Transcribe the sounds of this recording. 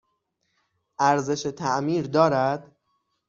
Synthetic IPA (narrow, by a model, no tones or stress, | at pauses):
ʔæɾze̞ʃet̪ʰæʔmiːɾd̪ɒːɾæd̪̥